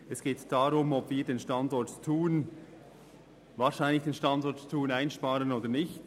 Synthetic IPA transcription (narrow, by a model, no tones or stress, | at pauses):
ɛsɡ̥eːtd̥aʁʊmɔbviːɐdeːnʃtandɔɹttʰuːn | vaːʃaɪnlɪçd̥eːnʃtɑndɔɹttʰuːnaɪnʃpaːɾənoːdənɪçt